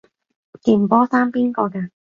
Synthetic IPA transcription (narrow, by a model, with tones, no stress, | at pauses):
t̪iː˨˩mpɔː˥saː˥mpiː˥nkɔː˧kaː˧